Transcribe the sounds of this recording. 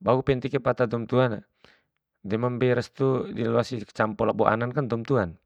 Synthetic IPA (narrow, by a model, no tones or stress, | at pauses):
baupɛnt̪ikɛpat̪ad̪ɔmt̪uana | dɛmambɛɾəst̪udiluasi̥t͡ʃampɔlabɔʔa̰nankand̪ɔmt̪uan